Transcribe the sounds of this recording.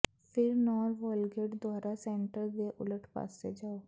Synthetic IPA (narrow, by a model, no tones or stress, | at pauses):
pʰɪɾnɔːɾʋɔːlɡeːʈd̪waːɾasɛ̃ːɳʈəɾd̪eʔʊləʈʰpa̰ːsḛd͡ʒaːoː